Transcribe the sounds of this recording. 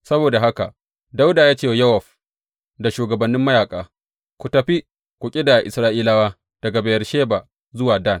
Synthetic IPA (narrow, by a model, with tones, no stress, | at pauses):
sɐ˦boː˨da˨ɦa˦ka˨ | da˦wdaː˨jaː˦t͡ʃeː˦˨jɐ˦wɐ˨ɸ | da˨ʃuː˨ɡɐ˨bɐ˨nːɪ˦mːɐ˦jaː˨kʼaː˨ | kʷu˨tɐ˨ɸi˦ | kʷʊ˨kʲʼi˦da˨ʔɪ˨sɾaː˦ʔiː˦laː˦waː˦ | d̥ɐ˨ɡa˨ba˨jɐ˨rʃeː˦ba˨ | zʊ˦waː˨da˦˨n